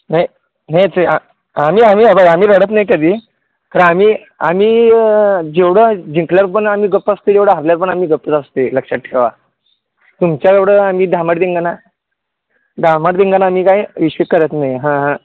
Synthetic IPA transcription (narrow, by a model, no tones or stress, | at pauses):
naj | najt͡səa | amiːamiːabəamiːɾəɽət̪najkəd̪ʱiː | kaɾənamiː | a̰miː | d͡ʑeʋɽ̤əd͡ʑiŋkljaɾupəɳamiːɡəpːast̪ed͡ʑeʋɽəɦaɾljaɾupəɳamiːɡəpːət̪ast̪eləkʂaʈʈːʰeʋa | t̪umt͡ɕjaeʋɽəamiːd̪ʱamaɽd̪ĩŋɡana | d̪ʱamaʈd̪ĩŋɡanaːmiːkaiʋiɕʋikːəɾet̪najɦãɦã